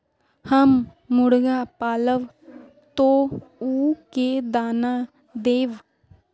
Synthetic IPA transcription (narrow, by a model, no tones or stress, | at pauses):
həmː | ʊɽɡaːpaːləʋ | t̪õːuːked̪aːnaː | d̪eːʋ